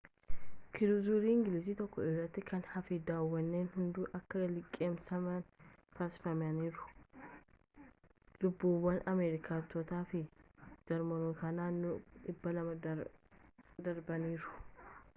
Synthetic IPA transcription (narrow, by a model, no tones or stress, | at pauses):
kʰɪɾuzuːɾiːɪŋɡɪliːsiːt̪ɔkːɔɪrɐt̪ːɪkɐnhɐfid̪aːwːɐnːeːnhʊnd̪uːʔɐkːɐlɪkʼːeːmsɐmɐnt̪asɪ̥fɐmɐniːɾʊ̥ | lʊbːuːwːɐnʔɐmeːɾɪkʰaːt̪ːɔt̪aːfɪd͡ʒɐɾmɔnʊkɐnaːnːʊɪbːɐlɐmɐ | d̪ɐɾbɐniːɾʊ̥